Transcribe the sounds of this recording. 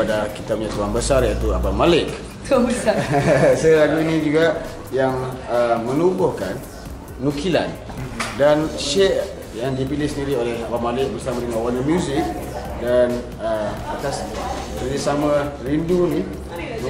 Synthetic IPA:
adakit̪abɲat̪uaŋbəsarjait̪uabamalɪk̚ | tuabəsasəilaɡuinid͡ʒuɡa | jaŋəmənubɔhkanː | ukila̰n | danʃɛʔ | jaŋdipilɪhsəndiɾiolɛhabamalɪk̚bərsamadəŋãnwanəmjuzɪk̚ | dan | ə | at̪as | kəlisamarinduni | n

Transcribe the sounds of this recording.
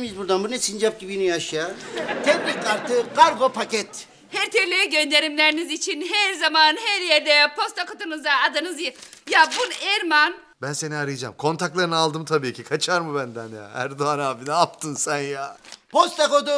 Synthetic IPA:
mizbuɾd̪anbunɛsind͡ʒap̚ɟibinijaʃjat̪ʰɛblʲikaɾt̪ɯkaɾɡopʰacɛt̪ | hæɾt̪ʰɛvlʲejɛɟø̞nd̪e̞ɾimlʲeɾinizit͡ʃʰinɦæɾzamanɦæɾjɛɾd̪ɛpʰo̞st̪ʰakot̪unɯzd̪aːd̪anɯzj | jabunɛɾman | bænse̞niaɾɯjɯd͡ʒa̰mkʰo̞nt̪ʰaklˠaɾɯnalˠd̪ɯmt̪ʰabiːcʰikʰat͡ʃʰaɾmɯbænd̪ænja̰æ̰ɾd̪oanaːbinɛap̚t̪ʰɯnsænjaːpʰost̪akod̪u

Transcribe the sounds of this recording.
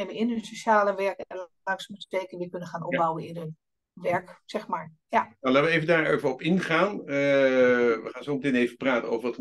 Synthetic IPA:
ɛbənɪnənsoʃaːləʋɛɹkɛnəl | ɑŋksmətə̥tejkənʋɪkɵnənχaːnʔɔbawənɪnøn | ʋɛɹksɛχmaːɹ | janalaːtʋəejvəndaːɹejvəɔpɪnχaːnə | ʋəχaːnsowmətɪːnejvəpraːtəno̰wvəɹʋɑt

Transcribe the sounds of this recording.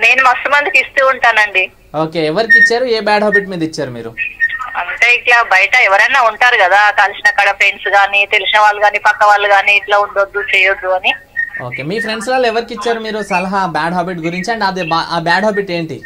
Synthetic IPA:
ne̞ːnumɐst̪ɐmɐnd̪ikist̪uːuɳʈaːnɐɳɖi | oːke̞ːɛʋɐɾikiit͡ʃːaːɾueːbaːɖɦaːbiːʈmiːd̪ɐit͡ʃːaːɾumiːɾuɐ̰nʈeːiʈɭabɐjɐʈɐɛʋɐɾɐnːaːuɳʈaːɾukɐd̪aːkɐlisinɐkɐɽɐpʰɾeːnsɡaːnit̪elisinɐʋaːlːuɡaːniːpɐkːɐʋaːɭːuɡaːniːʈlaːuɳɖod̪ːut͡ʃɛːjod̪ːuɐni | o̞̰ːke̞ːmiːpʰɾe̞ɳɖslaːlːɛʋɐɾikit͡ʃːaːɾumiːɾusɐlɐɦɐbaːɖɦaːbiʈɡuɾiɲt͡ʃiɐɳɖiɐd̪ibaʔaːbaːɖɦaːbiʈe̞ːɳʈi

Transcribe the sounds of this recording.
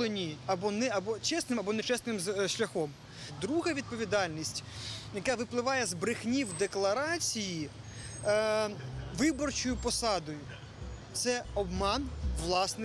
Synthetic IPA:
enʲiɐbɔnɛɐbɔt͡ʃɛsnɪmɐbɔnɛt͡ʃɛsnɪmzʃlʲɐxɔm | d̪ɾuɦɐʋʲid̪̚pɔʋʲid̪ɑlʲnʲisʲtʲjɐkaʋɪplˠɪʋɑjɛzbɾɪxnʲiwd̪eklˠɐɾɑt͡sʲiji | ʋɪbɔrt͡ʃɔjʊpɔsɑd̪ɔjʊ | t̪sɛɔbmɑnʋlˠɑsnɪ

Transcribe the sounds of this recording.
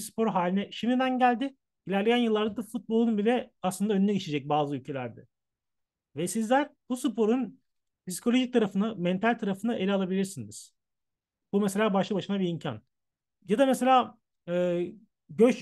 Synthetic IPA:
spʰo̞ɾɦaːlʲinɛʃimd̪id̪ænɟælʲd̪ɪ | ilʲæɾlʲejænjɯlˠːaɾd̪ad̪afut̪̚bo̞lˠunbilʲɛaslˠɯnd̪aø̞nynɛɟet͡ʃʰed͡ʒɛc̚baːzɯylʲcʰe̞lʲæɾd̪ɛ̰ | vɛsizlʲæɾb̥usɯpʰo̞ɾun | pisi̥kʰo̞lʲo̞ʒic̚t̪ʰaɾafɯnamɛnt̪ʰalʲt̪ʰaɾafɯnaʔe̞lʲialˠabilʲiɾsiniz̥ | bumese̞lʲaːbaʃlˠɯbaʃɯnabiimcʰa̰n | jad̪ameselʲaː | ɯː | ɟøt͡ʃ

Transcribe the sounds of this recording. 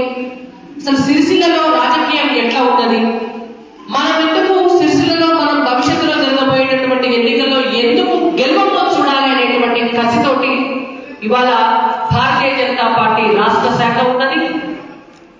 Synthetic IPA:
ɐsɐlusiɾsilɐlo̞ːɾaːd͡ʒɐkiːjɐmɛʈlaːuɳɖɐd̪i | mɐnɐmend̪ukusiɾsilɐlo̞ːmɐnɐmbʱɐʋiʂjɐt̪ːuloːd͡ʒ̪ɐɾɐɡ̪ɐboːjɐnɐʈuʋɐɳʈie̞nːikɐlːo̞ːe̞nd̪ukuɡeluʋɐmloːt͡ʃuːɽaːliɐne̞ːʈuʋɐɳʈikʰɐsit̪o̞ːʈiiʋaːɭɐbʱaːɾt̪iːjɐd͡ʒɐnɐt̪aːpaːɾʈiːɾaːʂʈɐsɛːkʰɐuɳɖɐd̪i

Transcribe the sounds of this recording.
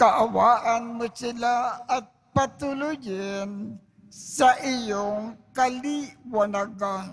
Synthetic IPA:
kaʔawaʔanmʊsɪlaat̪̚pat̪ʊlʊjɪn | saʔijoŋkaliwanaɡa

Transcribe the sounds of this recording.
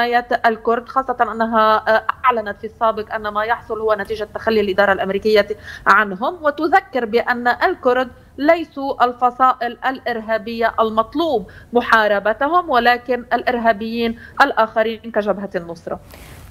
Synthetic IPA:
aːjaalkʊɾd̪xɑːsˤːɑt̪ɑnʔanːaɦaʔaʕlanat̪fisˤːaːbɪqʔanːamajɑħsˤʊlhʊwːanat̪iːʒat̪ːaxalːialʔɪd̪ɑːɾˤɑlʔamɾiːkɪjːaʕanɦʊmwɪt̪ʊðakːɪɾbɪʔanːaʔalkʊɾd̪ | lajsuʔalfɑsˤɑːʔɪlʔalʔɪɾɦaːbɪjːaʔalmɑt̪ˤluːbmʊħɑːɾˤɑbat̪aɦʊmwalaːkɪnalʔɪɾɦaːbɪjːiːnʔalʔaːxaɾinkaʒabɦanːʊsˤɾˤɑ̰

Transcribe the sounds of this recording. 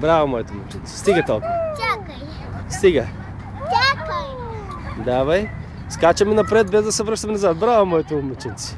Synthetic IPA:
bɾavɐmɔɛt̪omɛt͡ʃint̪si̥st̪iɡət̪olˠkuak | st̪iɡə | d̪avɐj | skat͡ʃɐmɛnɐpɾɛt̪̚bɛzd̪ɐsɛvɾɤʃt̪əmɛnɐzat̪̚bɾavɐmɔjɛt̪omɛt͡ʃint̪si̥

